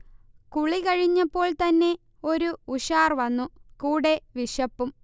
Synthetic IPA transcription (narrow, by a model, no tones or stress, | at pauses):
kuɭikɐɻiɲːɐpːo̞ːɭt̪ɐnːe̞ | o̞ɾuːɕaːrʋɐnːukuːɽe̞ʋiʂɐpːum